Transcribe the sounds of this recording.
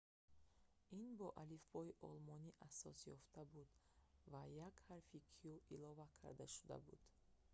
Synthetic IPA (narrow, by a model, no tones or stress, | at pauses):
inbɔʔalifbɔiʔɔlmɔniʔasɔsjɔft̪ʰabud̪vajakhaɾfikʰiuilɔvakʰa̰ɾd̪aʃu̥d̪a̰bṵd̪̥